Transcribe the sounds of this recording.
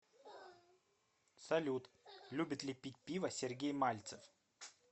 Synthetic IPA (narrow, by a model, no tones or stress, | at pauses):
sɐlʲut̪ | lʲubʲɪt̪lʲɪpʲit̚ʲpʲivəsʲɪrɡʲejmalʲt̪səf